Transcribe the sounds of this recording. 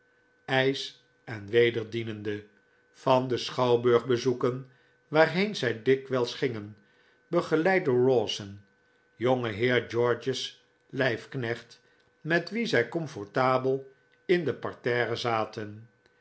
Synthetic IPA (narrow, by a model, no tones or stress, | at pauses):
ɛjs | ɛnʋejdəɹdinəndə | fɑndəsχɑwbøɹχbəzukən | ʋaːɹɦejnzɛjdɪkʋɛlˠsχɪŋən | bəχəlɛj̚dəɹɔsən | joŋəɦɪːɹd͡ʒɔɹd͡ʒəs | lɛjfknɛχt | mɛtʋizɛjkɔmfɔɹtaːbəlˠ | ɪndəpɑɹtɛːɾəzaːtən